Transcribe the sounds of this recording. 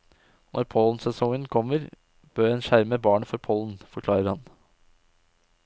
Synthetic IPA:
nʔɔɾpʰɔln̩sɛsɔŋənkʰɔmːəɾ | b̥øːɾɛːnʃæɾməbɑːɳəfɔɾpʰɔln̩fɔɾkʰlɑːɾəɾhɑn

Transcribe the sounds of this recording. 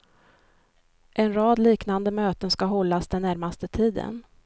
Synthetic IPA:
ʔɛnɾɑːd̪liːknand̪əmøːt̪ənskaɦɔlːasd̪ɛnːæɾmast̪ət̪ʰiːd̪ə̰n

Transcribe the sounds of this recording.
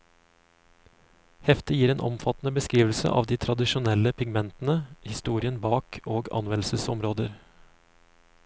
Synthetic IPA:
hɛft̪ɪjiːɾeːnʔɔ̰mfɑt̪n̩əbəskɾiːʋl̩sə̰ʔɑ̰ːʋd̪iːt̪ʰɾɑd̪ɪʃʊnɛləpʰɪɡmɛnt̪n̩əhɪst̪uːɾɪənbɑːkʰoːɡɑ̰nʋɛnl̩səsɔ̰mɾoːd̪əɾ

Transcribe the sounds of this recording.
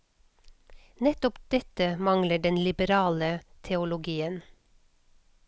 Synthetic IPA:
nɛt̪ɔpd̪̥ɛt̪əmɑŋləɖɛnlɪbəɾɑːlət̪ʰɛʊlʊɡiːən

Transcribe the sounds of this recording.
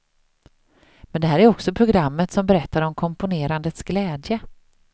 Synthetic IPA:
mɛnd̪ɛhæːɾæɾɔksɔpʰɾʊɡɾamːət̪sɔmbɛɾɛt̪ʰːaɾɔmkʰɔmpʊneːɾand̪ət̪sɡlɛːd̪jə

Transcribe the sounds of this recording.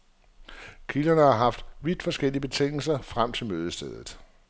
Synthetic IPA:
kʰilɐnəɑ̈ɦɑ̈fd̥ʋid̥fɒ̽sɡ̥el̰iəb̥e̝t͡sʰeŋ̰l̩sɐfʁam̰t͡sʰe̝lmøːð̞ˠsd̥eð̞ˠð̩ˠ

